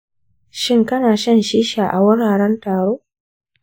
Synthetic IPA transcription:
ʃɪ˦˨ŋkɐ˦naː˨ʃɐ˦nʃiː˦ʃaː˨ʔa̰˨wʊ˦ɽaː˨ɽɛ˦ntaː˨ɽoː˦

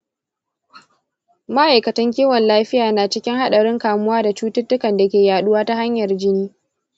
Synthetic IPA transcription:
mɐ˦ʔa˨jkɐ˨tɐ˦ŋkʲiː˦wɔ˨nlaː˦ɸɪ˦jaː˨naː˨t͡ʃɪ˦kʲɪ˦ŋha˦ɗɐ˨ɽɪ˦ŋkaː˨mʊ˦waː˦da˨t͡ʃuː˦tʊ˦tːʊ˦kɐ˨nda˨kʲeː˨jaː˨ɗʊ˦waː˦ta˦ha˦ɲjɐ˨rd͡ʒɪ˦niː˦

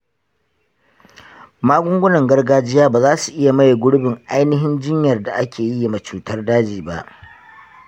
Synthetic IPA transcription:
maː˦ɡʷʊ˦ŋɡʷʊ˦nɐ˨ŋɡɐ˦rɡaː˦d͡ʒɪ˦jaː˦baː˨zaː˦su˨ʔɪ˦ja˨ma˦ja˨ɡʷʊ˦ɽʊ˦bɪ˨ŋʔa˦jnɪ˦ɦɪ˦nd͡ʒɪ˦ɲjɐ˨rda˨ʔa˦kʲʰeː˨ji˦ja˨ma˨t͡ʃuː˨tɐ˦rdaː˦d͡ʒiː˨ba̰˨ʔ

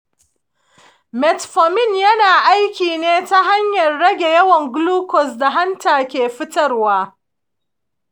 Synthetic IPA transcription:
mɛ˨tɸɔ˨mɪ˦˨njɐ˦naː˨ʔa˦jkʲiː˨neː˦ta˦ɦa˦ɲjɐ˨rːɐ˦ɡʲe˨jɐ˦wɐ˨ŋɡluː˦kɔ˨s̬da˨ɦa˦ntaː˨kʲeː˨ɸɪ˦tɐ˦rwaː˦

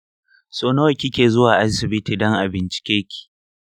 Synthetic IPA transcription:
soː˦noː˦˨kʲɪ˦kʲeː˨zʊ˦waː˨ʔa˦sɪ˨bɪ˦tiː˨dɔ˦ŋʔa˨bɪ˨nt͡ʃɪ̥˨kʲeː˦kʲʰi̥˨

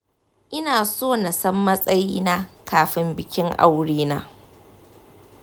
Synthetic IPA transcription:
ʔɪ˦naː˨soː˦˨na˨sɐ˦mːɐ˦sʼɐ˦jiː˦na˦kaː˨ɸɪ˦mbɪ˨kʲɪ˦ŋʔa̰˦wɽiː˦na̰ː˦

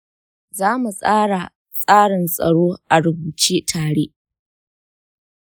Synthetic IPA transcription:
zaː˦mu˨sʼaː˦ɽa˨ | sʼaː˦ɽɪ˨nsʼɐ̰˨ɽoː˦ʔa˨ɽʊ˨buː˨t͡ʃeː˦tʰaː˨ɽe˦ʔ

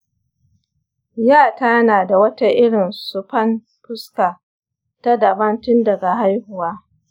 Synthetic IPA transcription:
jaː˦˨ta˦naː˨da˨wɐ˦ta˦ʔɪ˦ɽɪ˨nsʊ˨pɐ˦n | pʊ˦skaː˨ | ta˦dɐ˨bɐ˦ntʊ˦ndɐ˨ɡa˨ɦa˦jhʊ˨waː˦

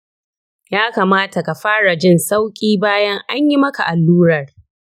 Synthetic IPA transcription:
jaː˦kaː˨maː˦ta˨ka˨ɸaː˦ɽa˨d͡ʒɪ˦˨nsa˦wkʲʼiː˦baː˦jɐ˦ŋʔa˦ɲji˦mɐ˦ka˨ʔa˨lːuː˦ɾɐ˨r

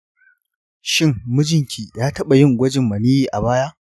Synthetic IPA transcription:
ʃɪ˦ŋːʊ˦d͡ʒɪ˨ŋkʲʰiː˨jaː˦tɐ˦ɓa˨jɪ˦ŋɡʷɐ˦d͡ʒɪ˨mːɐ˨niː˦jiː˦˨ʔa˨baː˦jaː˦

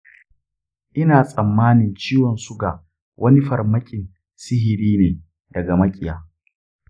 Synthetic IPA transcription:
ʔɪ˦naː˨sʼɐ˨mːaː˦nɪ˨nt͡ʃiː˦wɔ˨nsu˦ɡa˨ | wʔɐ˦ni˦ɸɐ˨rmɐ˦kʲʼɪ˨n | sɪ˦ɦɪ˨ɾiː˦neː˨ | dɐ˨ɡa˨mɐ˦kʲʼɪ˨jaː˨

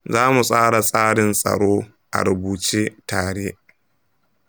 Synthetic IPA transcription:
zaː˦mu˨sʼaː˦ɽa˨sʼaː˦ɽɪ˨nsʼɐ̰˨ɽoː˦ | ʔa̰˨ɾʊ˨buː˨t͡ʃiː˦taː˨ɽeː˦

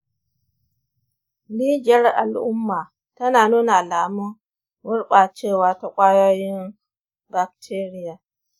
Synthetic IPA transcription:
li˦d͡ʒɛ˦ɾa̰˨lʔʊ˦mːa˨ | ta˦na˨nu˦na˨la˨mu˦ | wu˦ɾɓa˨t͡ʃeː˦˨wa˨ta˦kʷʼa˦ja˦ji˦n | ba˨k̚tʰe˦ɾi˦ja˨

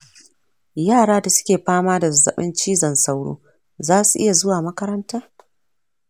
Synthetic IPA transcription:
jaː˦˨ɽaː˦da˨sʊ̥˦kʲeː˨ɸaː˦maː˦da˨zɐ̰˨ɓɪ̰˦nt͡ʃiː˦zɐ˨nsa˦wɽo̰ː˦ | zaː˦su˨ʔɪ˦ja˨zʊ˦waː˨mɐ˦kɐ˦ɾɐ˦ntaː˦

